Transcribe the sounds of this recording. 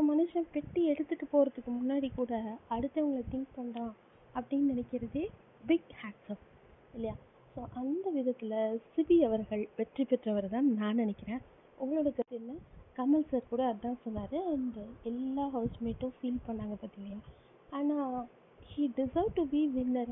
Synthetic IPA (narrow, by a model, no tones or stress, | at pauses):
omɐnɯʂɐ̃mpɛʈːiɛɽɯt̪ːɯʈːɯpoːɾɐðɯkːɯmʊnːaːɽikuːɽɐɐɽɯt̪ːɐʋɐŋɡɐɭɐt̪ɪŋk̚pɐɳãː | ɐpːɐɽɪjnnɪnɛkːɪɾɐðe | bɪɡhaːʈsɐ̃m | ɪlːɐjaː | soːʔɐnd̪ɐʋɪðɐt̪ːɪlɐsɪbiɐʋɐɾɣɐɭʋɛʈripɛʈrɐʋɐɾt̪ãːnãːnɪnɛkːɪɾẽː | ʔɔŋɡɐɭoːɽɐkɐt̪ːɪnːakɐmɐlsɐɾkuːɽɐɐt̪ãːsɔnːaːɾɯɐnd̪ɐɛlːaːɦɐːsmeːʈːʊ̃fiːlpɐɳːaːŋɡɐpɐt̪ːɪŋɡɐja | aːnaː | hiːɖɪsɐɪʋʈubiːʋɪnːɐɾ